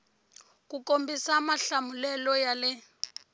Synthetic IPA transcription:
k̬ukombisamaɬamulɛlɔjalɛ

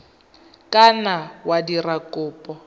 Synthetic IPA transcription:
kʼanawadirakʼʊːpʼɔ

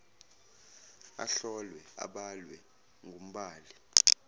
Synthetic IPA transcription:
a̰ɬɔlwɛa̰ɓalwɛ | ŋɡʱum̩ɓaːli

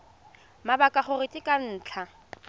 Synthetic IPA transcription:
mabakʼaχʊrɪtʼɪkʼan̩ːt͡ɬʰa

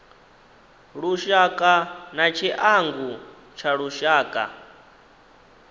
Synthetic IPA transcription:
ɺuʃakʼanat͡ʃʰiʔaŋɡu | t͡ʃʰaɺuʃaːkʼa̰

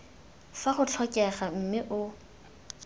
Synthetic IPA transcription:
faχʊt͡ɬʰɔkʼɛχam̩mɪʔʊ

